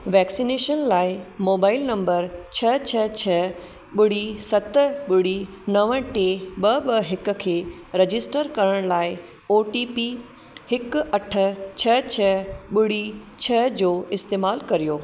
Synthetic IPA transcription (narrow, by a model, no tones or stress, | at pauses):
ʋɛːksineːʃənlaːɪmoːbaːɪlnɐ̃mbəɾt͡ɕʰɐt͡ɕʰɐt͡ɕʰɐ | ɓɪɽ̤isɐt̪əɓɪɽ̤i | nɐʋə̃ʈeɓɐɓɐɦɪkʊ̆kʰeː | ɾɐd͡ʑɪsʈəɾkɐɾəɽ̃laːɪ | oːʈiːpi | hɪkɐʈʰə̆t͡ɕʰɐt͡ɕʰɐɓɪɽ̤it͡ɕʰɐɦd͡ʑoːɪst̪eːmaːlkɐɾijoː